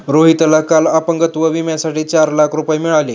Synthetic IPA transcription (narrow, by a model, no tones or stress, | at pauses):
ɾoɦit̪lakalapəŋɡət̪ʋəʋimjasaʈiːt͡ɕaɾlakʰɾupajimiɭali